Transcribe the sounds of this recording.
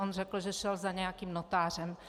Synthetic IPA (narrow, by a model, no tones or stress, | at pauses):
onrɛkl̩ʒɛʃɛlzaɲɛjakiːmnot̪aːr̝ɛm